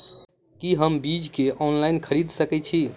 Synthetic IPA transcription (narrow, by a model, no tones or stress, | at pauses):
kiɦəmbid͡ʒkeʔɔnlajnkʰəɾid̪ʱsəkɛt͡ʃʰi